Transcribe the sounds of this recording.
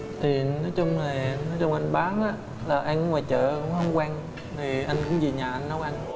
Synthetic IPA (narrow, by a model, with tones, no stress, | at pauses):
t̪ʰi˨˩nɔ˨˦jt͡ɕʊ˧wŋ͡ma˨˩nɔ˨˦jt͡ɕʊ˧ŋ͡mʔa˧jŋɓaː˨˦nʔaː˨˦ | laː˨˩ʔa˧jn˧˦ŋwaː˨˩jt͡ɕə̰ː˧˨kʊ̰˧˥˦ŋ͡mhə˨˦ŋ͡mkwaː˧ŋ | t̪ʰi˨˩ʔa˧jŋ̟kʊ̰˧˥ŋ͡mzi˨˩ɲaː˨˩ʔa˧jnːə˨˦wʔa˧jŋ̟